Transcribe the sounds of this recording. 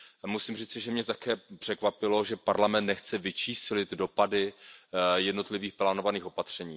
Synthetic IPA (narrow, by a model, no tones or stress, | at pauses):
musimriːt͡sɪʒɛmɲɛt̪akɛːpr̥ɛkvapɪlo̞ʒɛpaɾlamɛnt̪nɛxt͡sɛvɪt͡ʃiːslɪt̪do̞padɪ | jɛdno̞t̪lɪviːxplaːnovaniːxo̞pat̪r̝̥ɛɲiː